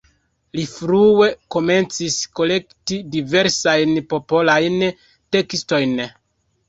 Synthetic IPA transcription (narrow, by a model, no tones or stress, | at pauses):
lifɾue̞ko̞me̞nt͡sisko̞le̞ktidive̞ɾsajnpo̞po̞lajn | te̞ksto̞jn